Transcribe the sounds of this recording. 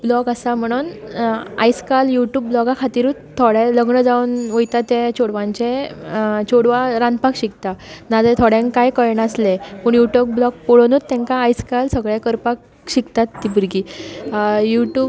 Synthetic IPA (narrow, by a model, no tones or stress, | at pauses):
blɔkəsam̤əɽ̃uːn | a̰jskaljuʈjuːb̚blɔɡakʰat̪iːɾutt̪ʰːoɽeləɡɳəd͡zaunʋəjt̪at̪ːet͡ɕʰoɽʋãɲt͡ɕe | t͡ɕʰoɽʋaɾãnd̪pakɕik̚t̪anad͡zet̪ʰoɽjãŋkkːajkəjɳəslepəɳjuʈuk̚blɔk̚pɔɭonuːt̪ːɛ̃ŋkaːjskalsəɡɭẽkəɾpak̚ | ɕikt̪at̪ːibəɾɡiː | juʈjuːb